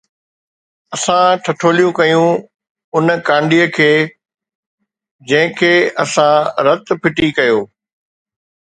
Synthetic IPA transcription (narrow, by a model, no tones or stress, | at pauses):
ɐsãʈʰɐʈʰoːlijũkɐjũ | ʊnkãːɳɖijəkʰeː | d͡ʑɐ̃ɦɪ̃kʰeːɐsãɾɐt̪pʰɪʈikɐjoː